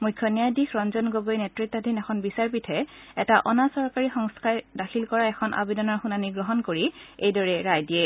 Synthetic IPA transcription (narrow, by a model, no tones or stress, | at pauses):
mukʰjɔnijajdixʰɹɔnzɔnɡoɡojnɛtɹitːɔdʱinɛxʰɔnbisaɹpitʰɛɛtaʔɔnasɔɹkaɹixɔŋskaɹdaxʰilkɔɹaɛxʰɔnʔa̰bedɔnɔɹxunaniɡɹɔɦɔnkoɹiejdɔɹɛɹajdijɛ